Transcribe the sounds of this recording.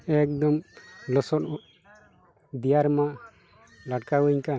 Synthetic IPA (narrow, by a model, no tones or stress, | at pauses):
ɛk̚d̪ɔmlɔsɔt̚ | d̪ijaɾma | laʈkauɲkan